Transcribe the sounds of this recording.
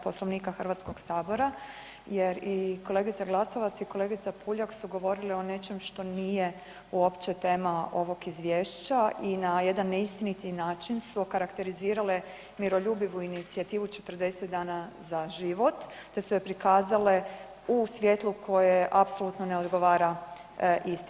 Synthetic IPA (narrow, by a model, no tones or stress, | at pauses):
poslˠo̞ʋniːkaxr̩ʋat̪sko̞ɡsaːbo̞ɾa | je̞ɾiko̞lˠe̞ɡit̪saɡlˠasoʋat̪saiko̞le̞ːɡit̪sapuːʎaksuɡo̞ʋo̞ɾilio̞ne̞t͡ʃe̞mʃt̪o̞nije̞ | uopt͡ʃet̪e̞ːmao̞ʋo̞kizʋjeːʃt͡ɕainaje̞d̪anːeist̪init̪inaːt͡ʃinsukaɾakt̪e̞ɾiziːɾale̞ | miɾo̞ʎuːbiʋuinit̪siat̪iːʋut͡ʃe̞̥t̪rd̪e̞set̪d̪aːnazaʒiʋo̞t̪ːe̞sujepɾikaːzale | usʋʲje̞ːt̪lˠukʰo̞jeʔapso̞lut̪noneo̞d̪ɡo̞ʋaːɾa | ʔist̪